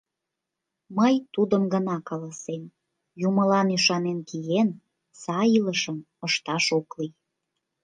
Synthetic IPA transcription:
məjt̪ud̪əmɡənɑkɑlɑsem | juməlɑnyʃɑnenkijen | sɑiləʃəm | əʃt̪ɑʃoklij

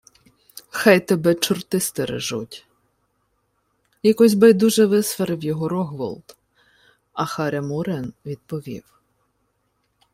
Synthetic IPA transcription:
xɑjt̪ɛbɛt͡ʃʊrt̪ɪst̪eɾḛʒṵtʲ | jakɔzʲbɛjd̪uʒɛʋɪsfɛɾɪwjɔɦɔɾɔɦʋɔ̰lˠt̪ | ɐxɑɾʲɛmuɾɛnʋʲid̪̥̚pɔʋʲḭw

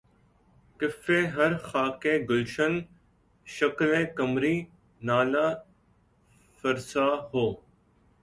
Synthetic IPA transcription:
kɪfẽːɦəɾxaːkẽːɡʊlʃən | ʃəklẽːkəmɾiː | naːlaː | fəɾsaːɦoː

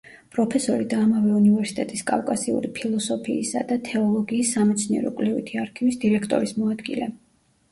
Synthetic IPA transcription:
pʼɾɔpʰɛsɔɾid̪aːmavɛunivɛɾsi̥t̪ʼɛt̪ʼiskʼa̰fkʼasiṵɾipʰilˠɔsɔpʰiːsa̰d̪at̪ʰɛɔlˠɔɡiːsːamɛt̪sʰniɛ̰ɾɔkʼwlivḭt̪ʰiaɾkʰivisd̪iɾɛkʰt̪ʼɔ̰ɾismɔad̪ɡḭlɛ

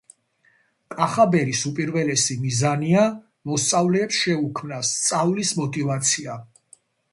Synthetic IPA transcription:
kʼaχabɛɾisupʼiɾvɛlɛsimizania | mɔst̪sʼavlɛːpsʃɛukʰmnast̪sʼavlismɔt̪ʼivat̪sʰia

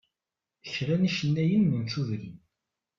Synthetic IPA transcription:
əçɾæniʃənːæjənːənt͡suðɾin

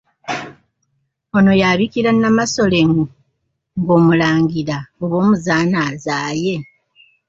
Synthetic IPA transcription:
o̞no̞jaβikiɾanːamaso̞le̞ŋu | ŋɡo̞ːmulaːŋɡiɾaoβo̞ːmuzaːnaːzaːje̞

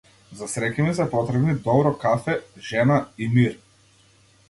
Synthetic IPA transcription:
zasɾɛkimis̬apɔt̪ɾɛbnid̪ɔbɾɔkafɛʒɛnaimiɾ

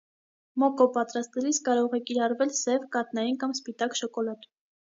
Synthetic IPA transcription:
mɔkɔpɑt̪ɾɑst̪ɛliskɑɾɔʁɛkiɾɑrvɛlsɛvkɑt̪nɑjinkɑmspit̪ɑkʃɔkɔlɑt̪u

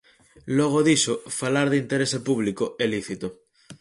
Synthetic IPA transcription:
loɣ̞oðisofalaɾðint̪eɾesepuβlikoeliθit̪o

